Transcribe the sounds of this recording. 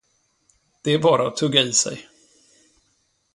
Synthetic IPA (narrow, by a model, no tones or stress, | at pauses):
d̪̥ɛæɾbɑːɾaɔt̪ʰɵːɡːaiːsɛ̰j